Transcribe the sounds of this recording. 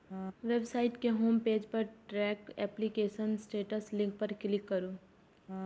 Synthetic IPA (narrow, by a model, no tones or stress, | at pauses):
ʋebsaːɪʈkeɦoːmpeːd͡ʒpɐɾʈɾɛːkɛːplikeːʃənsʈeːʈəslɪ̃ŋk̚pɐɾklɪkːɐɾoː